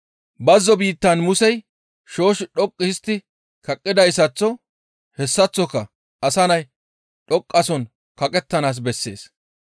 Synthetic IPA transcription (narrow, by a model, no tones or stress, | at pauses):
bɐzːɔbiːt̪ːɐnmʊsɛj | ʃo̞ːʃɪɗɔkʼːɪɪst̪ːɪ | kɐkʼːɪd̪ɐjsɐt͡sːɔ | hɛsːɐt͡sːɔkːɐ | ɐsɐnɐj | ɗɔkʼːɐsɔn | kɐkʼɛt̪ːɐnaːs̬bɛsːe̞̰ːs